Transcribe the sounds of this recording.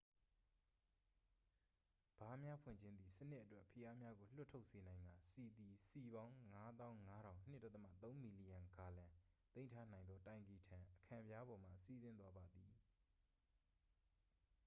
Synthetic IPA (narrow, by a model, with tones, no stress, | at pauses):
b̥a˨˦mja˦pʰwɪ̰̃˦˨ɲd͡ʑʰɪ̃˦nd̪ði˨sə˦nɪ˦ʔːətwɛ˦ʔpʰə˨ja˦mja˦ɡo˨l̥ʊ˦ʔtʰo˦ʊʔse˨nã˨ɪ̃ŋɡa˨si˨d̪i˨si˨βã˦ʊ̃ŋa˦d̪ã˦ʊ̃ŋa˦ɾã˨ʊ̃n̥ɪ˦ʔtːa˦t̪ə˦ma̰˦˨t̪õ˦ʊ̃mi˨li˨jã˨ŋɡa˨lã˨t̪ẽ˦ɪ̃ntʰa˦n̥ã˨ɪ̃nd̪ɔ˦tã˨ɪ̃mpi˨tʰã˨ʔəkʰã˨pja˦bɔ˨m̥ä̰˦˨si˦˨zɪ̃˦nt̪̬wa˦ba˨d̪i˨